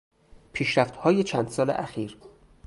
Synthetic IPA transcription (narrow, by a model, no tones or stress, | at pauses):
pʰiːʃɾæft̪hɒːjet͡ʃʰæːnd̪sɒːlḛʔæxiːɾ